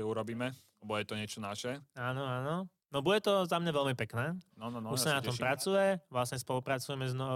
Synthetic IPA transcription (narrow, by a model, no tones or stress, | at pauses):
ɛuɾɔbiːmɛ | ɛbɔjɛt̪ɔɲɪɛt͡ʃɔnaʃɛaːnɔaːnɔ | nɔbuɟɛt̪ɔzamɲaʋɛʎmipɛknɛːnɔuʃsanat̪ɔmpɾat͡sujɛʋlasɲɛspɔlupɾat͡sujɛmɛznɔ